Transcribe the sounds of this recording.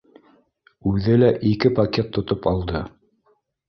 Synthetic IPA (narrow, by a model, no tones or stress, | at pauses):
ʉðɘlæʔikɘpɐkʲet̪ːŏt̪opɑlˠd̪ɤ